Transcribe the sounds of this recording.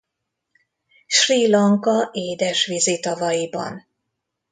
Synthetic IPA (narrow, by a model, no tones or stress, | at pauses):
ʃriːlɒŋkɒʔeːd̪ɛʃʋizit̪ɒvɒjibɒ̰n